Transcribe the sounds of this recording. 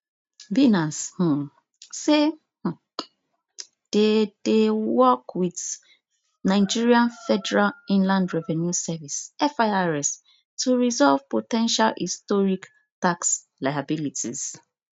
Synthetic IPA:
binash̩ | se | h̩ | d̥edewɔkwid | naɪd͡ʒiɹiãnfɛdɛɹalĩnlãndɹɛvɛnjusɛvisɛfaaɹɛs | tʰuɹizɔlvpotɛ̃nʃalhḭstɔɹik | taks | lajabilitḭz̥

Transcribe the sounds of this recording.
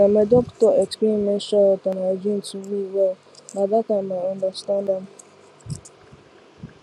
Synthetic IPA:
amedɔktɔetkimeʃɔʊtɔnaed͡ʒin̩tuniwɛ | nadakameɔ̃ndastanda

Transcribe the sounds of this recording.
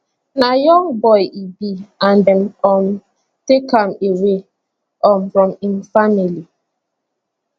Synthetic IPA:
najɔ̃ŋbɔjʔibiandɛmkɔm | tekamewe | ʔɔmfɹɔ̃minfamili

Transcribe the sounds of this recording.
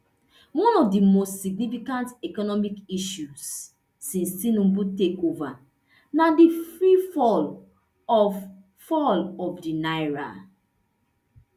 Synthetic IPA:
wɔ̃nɔfdimostsiɡnifikãntɛkɔnɔmikiʃusː | ĩnssĩnũmbutekova | nadifɹifɔl | ɔf | fɔlɔfdinajɹa̰

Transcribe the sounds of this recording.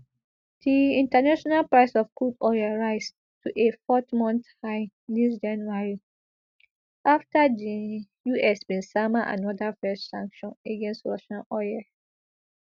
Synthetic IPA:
d̥iĩntanaʃɔnalpɹaɪsɔfkudɔjaɹaɪs | tʰuʔefɔtmɔ̃nθhaɪ | disd͡ʒãnuaɹi | ʔaftadi | juɛsbĩnsamaʔã̰nɔdafɛssã̰ŋkʃɔ̃neɡɛ̃nstɹɔ̰ʃãnʔɔjɛ

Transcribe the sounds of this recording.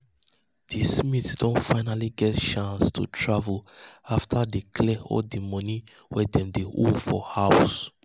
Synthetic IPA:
d̥ismitsdõnfaɪnaliɡɛtʃãnstʰṵtʰɹavəlaftʰadekʰlɛɔ̰ldimɔni | wɛdɛ̃mdeʔo̰fɔhaʊs

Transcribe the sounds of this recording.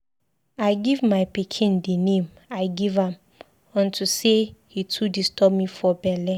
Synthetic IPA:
aɪɡivmaɪpikʰĩndinẽm | aɪɡivãm | ɔ̃ntʰusehitʰudistʰɔbmĩfɔbɛlɛ

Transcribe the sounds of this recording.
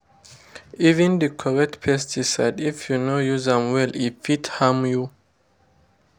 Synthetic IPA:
ivɛ̃ndəkʰɔɹɛk̚tpʰɛstʰisadifjunojuzãmwɛlifithamju

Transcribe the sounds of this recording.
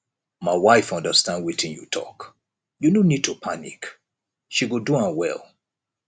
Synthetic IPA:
maɪwaɪfʌ̃ndəstãnd̚witʰĩnjṵtʰɔ̰k | junonid̚tʰupʰanḭk | ʃiɡoduãwɛ̰lˠ

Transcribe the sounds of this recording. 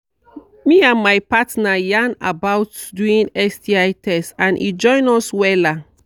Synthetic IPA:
miãnmajpatnajãna̰bawtduĩnɛsdiajtʰɛstãnʔḭd͡ʒɔ̃ɪ̃nɔswɛla

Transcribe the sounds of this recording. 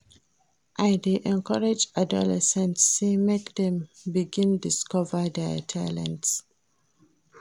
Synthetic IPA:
ʔajdeʔɛ̃nkʰɔɹad͡ʒadɔ̰lɛ̰sɛ̃ntstemekdɛ̃mbiɡĩndiskɔvədɛtʰa̰lɛ̰̃nts

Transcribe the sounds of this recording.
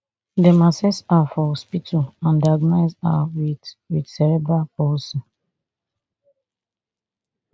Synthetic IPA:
dɛmasɛsafɔhɔspitʰuãndaɡnaɪsa̰wiwidsɛɹɛbɹapɔsɔ

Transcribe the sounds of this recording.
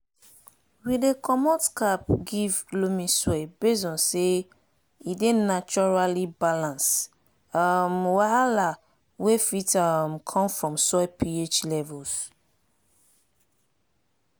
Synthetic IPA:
widekʰɔmɔtkapɡivlomĩsɔbes̬ɔ̃nse | idenat͡ʃɔɹalibalãns | amwaala | wefitamkʰɔ̃mfɹɔ̃msɔɪpiet͡ʃlɛvɔls

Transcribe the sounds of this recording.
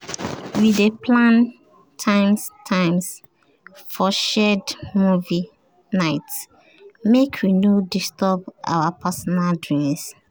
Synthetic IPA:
widepʰlãn | tʰãɪ̃mstʰãɪ̃ms | fɔʃɛdmuvi | naɪts | mekʰwinodistɔbʔa̰wapʰasɔnaldɹĩms

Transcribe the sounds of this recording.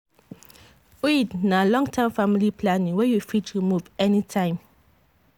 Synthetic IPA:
ejidnãlɔ̃ŋtʰɛ̃mfamilipʰlãnĩŋwɛjufit͡ʃɾimuvɛnitʰãɪ̃m

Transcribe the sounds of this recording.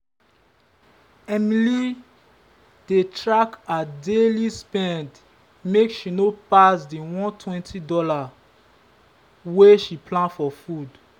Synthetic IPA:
ɛmili | d̥etɹakadelispɛ̃nd | mekʃinopasdiwɔ̃ntʰwɛ̃ntʰidɔla | weʃiplãndfɔfud

